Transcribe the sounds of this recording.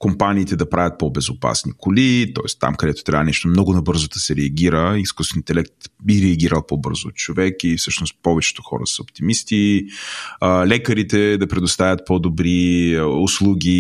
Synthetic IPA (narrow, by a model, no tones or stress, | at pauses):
kompaniːt̪ɛd̪ɐpɾavʲjɐt̪̚pɔbɛzʊpa̰snikʰʊlit̪ɔɛst̪ːa̰mkɐd̪ɛt̪o̥t̪ɾʲavənɛʃt̪omnɔɡʊnɐbɤɾzod̪ɐsɛɾɛɐɡʲiɾəiskust̪vɛnit̪ɛlɛk̚t̪biɾɛɐɡʲiɾəlˠpɔbɤ̰ɾzoːt̪t͡ʃovɛkifsɤʃnost̪pɔvɛt͡ʃɛ̥t̪o̥xɔ̰ɾə̰səopt̪imist̪i | lɛkəɾit̪ɛd̪ɐpɾɛd̪ʊst̪avʲɐt̪̚pɔd̪obɾiʊslˠuɡʲi